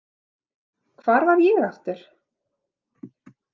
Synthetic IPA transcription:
kʰvaːɾvaɾjɛɣaft̪ɪɾ̥

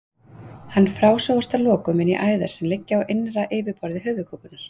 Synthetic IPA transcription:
hanːfɾaːwsɔwast̪alɔːkʏmɪnḭʔaːjða̰̥sɛmlɪcːaawʔejnɾaʔeːvɪɾpɔɾðɪɦœːvʏkʰoːwpʏnaɾ̥

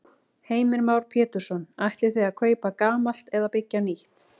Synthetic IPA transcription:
heːjmɪɾmawɾ̥pʰɛːt̪ʏɾ̥sɔnaht̪lɪ̥θejakʰœːɥpakaːmal̥t̪ɛðapɪcːaniht̪

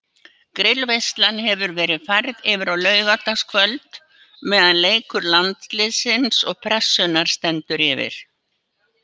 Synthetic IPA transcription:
kɾɪlvejst̪lanɦɛvʏɾvɛːɾɪðfajɾðɪvɪɾawlœːɥɣat̪askʰvœlt̪ | mɛːðanleːjkʏɾlant̪lɪsɪnsɔɣpʰɾɛsːʏnaɾ̥st̪ɛnt̪ʏɾɪvɪ̰ɾ̥

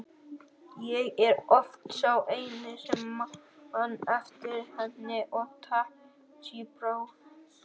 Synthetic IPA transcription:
jɛɣɛɾɔft̪sawʔejnɪsɛmahanɛft̪ɪɾhɛnɪʔɔt̪ʰa | t͡ʃiːpɾow

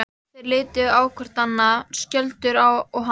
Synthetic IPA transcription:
θɛɾlɪːt̪ʏaːwkʰvɛr̥t̪anːascœlt̪ʏɾawɔɣɦa

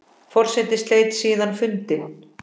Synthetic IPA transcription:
fɔr̥sɛt̪ɪst̪leːjt̪siːðanfʏnt̪ɪ

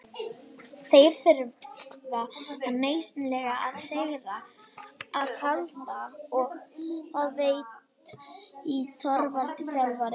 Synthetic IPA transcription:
θejɾ̥θɪɾðaaðneːjsnlɛɣaaðsejɾa | aðhaðt̪aɔɣaðveːjt̪ | it̪ʰɔɾvalt̪ɪθɛlvaɾɪ

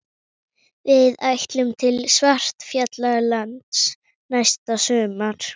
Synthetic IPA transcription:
vɪðajht̪lʏmt̪ʰɪlsvar̥t̪fjɛt̪laɣlant̪s | najst̪asœːmaɾ̥

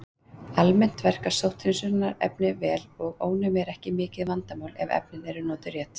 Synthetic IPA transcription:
almɛn̥t̪vɛr̥kḁsowht̪ʰɪnsʏɾnːaɾɛ̰pnɪvɛːlɔɣo̰ːwnʏmjɛɾɛhcɪmɪːcɪðvant̪amaːwlɛvɛ̰p̚nɪnɛɾʏnɔːt̪ʏɾjɛːt̪

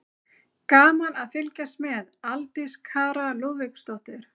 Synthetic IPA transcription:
kaːmanaðfɪlcasmɛðalt̪ɪskʰaːɾaloːvɪkst̪ɔwht̪ɪɾ̥

